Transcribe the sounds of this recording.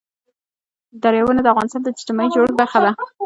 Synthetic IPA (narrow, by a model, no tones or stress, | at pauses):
d̪aɾjawənad̪əafɣɑnɪst̪ɑnd̪əɪ̥ʈɪmɑid͡ʒoɽɡ̚baɾxad̪a